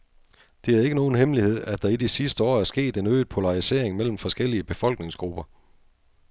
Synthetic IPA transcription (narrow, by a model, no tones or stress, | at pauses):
d̥e̝æɐe̝ɡ̥əno̝ːn̩ɦhemlihe̝ð̞̰ˠæd̥ɑ̈id̥isisd̥əɒ̰ːæɐsɡ̥e̝̰ːd̥e̝nøːɪð̥ˠpʰo̝lɑ̈ʁise̝̰ɐeŋmel̰m̩fɒ̽sɡ̥el̰iəb̥e̝fɒ̽l̰ɡ̥ne̝ŋsɡ̥ʁub̥ɐ